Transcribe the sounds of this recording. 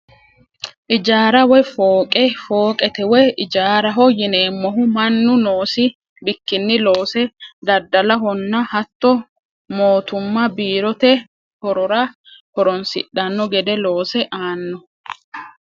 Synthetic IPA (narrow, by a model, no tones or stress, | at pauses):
ʔɪd͡ʒaːɾɐwɛfoːkʼɛfoːkʼɛt̪ɛwɛɪd͡ʒaːɾɐɦɔjɪne̞ːmːɔɦʊmɐnːʊnoːsɪ | bɪkːɪnːɪlo̞ːsɛd̪ɐd̪ːɐlɐɦɔnːɐhɐt̪ːɔ | mo̞ːt̪ʊmːɐbiːɾɔt̪ɛ | hɔɾɔɾa | hɔɾɔnsɪ̰ᶑɐnːɔɡɛd̪ɛlo̞ːsɛʔaːnːɔ